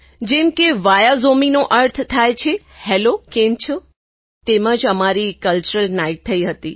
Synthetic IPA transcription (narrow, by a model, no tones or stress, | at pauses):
d͡ʒemkeʋajazominoʔəɾt̪ʰt̪ʰajt͡ʃʰe | hɛlokemt͡ʃʰo | t̪eməd͡ʒəmaɾikəlt͡ʃuɾəlnaiʈ̚t̪ʰəiɦət̪ḭ